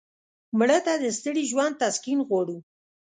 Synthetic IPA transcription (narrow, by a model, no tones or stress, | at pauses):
mɽət̪ad̪əst̪əɽiʒwand̪̚t̪askinɣwɑɽu